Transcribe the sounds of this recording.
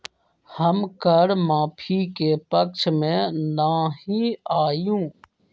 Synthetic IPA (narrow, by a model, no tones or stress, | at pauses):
həmkəɽmaːpʰiːkeːpək̚t͡ʃʰmẽːnaːɦiaːjũː